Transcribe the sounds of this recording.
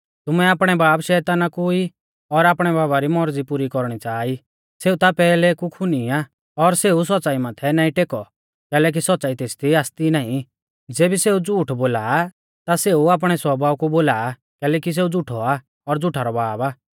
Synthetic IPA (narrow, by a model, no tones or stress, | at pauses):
t̪ʊmɛaːpɽ̃ɛbaːbʃɛːt̪aːnakui | ɔɾaːpɽ̃ɛbaːbaɾimɔɾd͡zipuɾikɔɾɽ̃it͡ʃaːi | seːut̪apɛːlɛkukʰʊniaː | ɔɾseːus̬ɔtːt͡saːimat̪ʰɛnaːĩʈeːkɔ | kɛːlɛːk̬isɔtːt͡saːit̪eːst̪ʰiaːst̪inãːĩ | d͡zeːbiseud͡zuːʈʰboːlaː | t̪aseuaːp̬ɽ̃ɛswɔbʱaːukuboːlaː | kɛːlɛːkis̬eːud͡zʊʈʰɔa | ɔɾd͡zʊʈʰaɾɔbaːbaː